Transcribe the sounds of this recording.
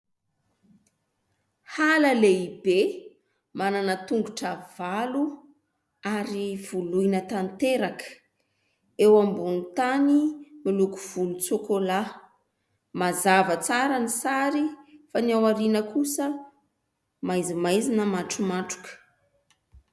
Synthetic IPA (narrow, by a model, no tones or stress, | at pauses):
haləleibe | mananət̪uŋɡuʈ͡ʂəv̥alu | aɾiv̥ulujnət̪ant̪eɾakə̥ | ewambunt̪animilukuv̥ulut͡sokola | mazavət͡saɾənisaɾifanawaɾinəkusə | majzimajzinəmaʈ͡ʂumaʈ͡ʂu̥kə̥